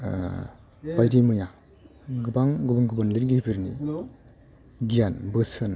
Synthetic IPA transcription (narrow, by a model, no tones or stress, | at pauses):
bajdimɯja | ɡɯbaŋɡɯbɯŋɡɯbɯnliɾɡihipʰiɾnḭ | ɡijanbɯsɯn